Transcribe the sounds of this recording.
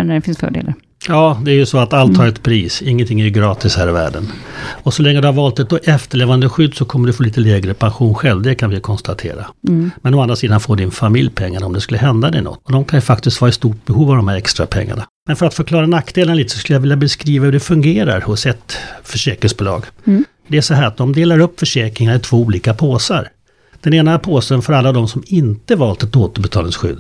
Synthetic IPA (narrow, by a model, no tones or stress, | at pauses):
nɛfɪnsfœ̰ːɖḛːlaɾ | jɑːd̪ɛæɾjɵsɔat̪alt̪ʰːɑːɾɛt̪pʰɾiːsɪŋːənt̪ʰɪŋːæjɵɡɾɑːt̪ɪshæːɾɪvæ̰ːɖə̰nɔsɔlɛŋːəd̪ɵhaɾvɑːlt̪ɛt̪̚ɔʔɛft̪əɭeːvand̪əɧʏd̪ːsɔkʰɔmːəɖɵfoːliːt̪əlɛːɡɾəpʰanɧuːnɧɛlvd̪ɛkʰanvɪjkʰɔnst̪at̪ʰḛːɾa̰mɛnɔmand̪ɾasiːd̪anfoːɖɪnfamɪljpʰɛŋːanɔmd̪ɛskɵlːəɦɛnd̪ad̪ɛ̰ɪnɔ̰t̪ːɔd̪ɔmkʰanjɵfak̚t̪ɪst̪vɑːɾaɪst̪uːʈ̚bɛhuːvavd̪ɔmhæɾɛkst̪ɾa̰pʰɛ̰ŋːa̰ɳamɛnfœɾat̪fœɾkʰlɑːɾanakːd̪eːlənliːt̪ə̥sɔskɵljavɪljabɛskɾiːvahɵɖɛfɵŋɡeːɾa̰ɾhɔsɛt̪fœʂɛːkɾɪŋsbʊlɑ̰ːɡ | d̪ɛæʂɔɦæːɾat̪̚d̪ɔmd̪eːlaɾɵpːfœʂɛːkɾɪŋanaɾɪt̪ʰv̥oːuːliːkapʰoːsaɾ | d̪̥ɛneːnapʰoːsənfœɾalːavd̪ɔmsɔmɪnt̪əvɑːlt̪ɛt̪oːt̪əbɛt̪ʰɑːlɪŋsɧʏ̰d̪ː